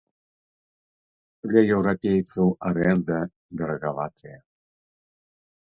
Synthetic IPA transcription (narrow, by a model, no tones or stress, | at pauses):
d̪lʲɐjɛwɾapʲejt̪sɐwaɾɛnd̪ɐ | d̪ɛɾɐɣavat̪ɨjɐ